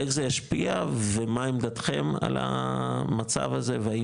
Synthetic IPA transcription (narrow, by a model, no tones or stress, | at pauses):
eχzejaʃpiavemaimd̪at̪χe̞ma̰la̰mat͡sa̰vaze̞veai